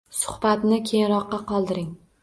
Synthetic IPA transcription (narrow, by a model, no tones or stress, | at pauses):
sʊ̥hbat̪nɪkʲʰeŋɾɒqːɑqɒlˠd̪ɪɾɪŋ